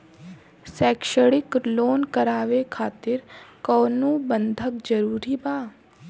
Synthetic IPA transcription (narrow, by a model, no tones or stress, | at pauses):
sɛːkʃəɽɪkloːnkəɾaːʋekʰaːt̪ɪɾkɔːnũbə̃nd̪ʱəkd͡ʒəɾuːɾibaː